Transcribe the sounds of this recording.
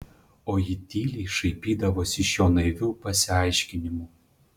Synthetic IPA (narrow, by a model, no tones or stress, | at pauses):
oːjɪt̪ʲiːlʲiːʃɐɪpʲiːd̪ɐʋoːsʲɪʃjoːnɐɪʋʲuːpɐsʲɪɐˑɪʃʲkʲɪnʲɪmuː